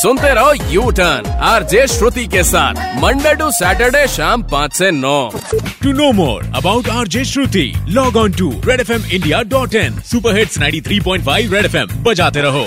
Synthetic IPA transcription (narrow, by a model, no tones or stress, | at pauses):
sʊ̃nt̪eɾɔɦojuʈənaːɾd͡ʒeʃɾut̪ikesa̰ːt̪ʰməɳɖeɖũsɛʈəɾɖeʃampãt͡ʃsenɔʈunoːmɔ̰ːɾɐ̰bawʈaːɾd͡ʒeʃɾut̪ḭlɔːɡɔnʈuɾeɖefʰemɪ̃ɳɖijaɖɔʈɛnsupəɾɦeʈsnãj̃ɳʈit̪ʰɾiːpɔ̃j̃ɳʈfʰajʋɾeɖepʰembɐd͡ʒat̪eɾɐɦo